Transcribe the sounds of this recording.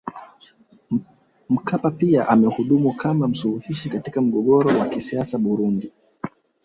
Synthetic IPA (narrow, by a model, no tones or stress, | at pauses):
m̩kapapiaʔamɛhuɗumukʰamam̩suluhiʃikatikam̩ɠɔɠɔɾɔwakisiasaɓuɾundi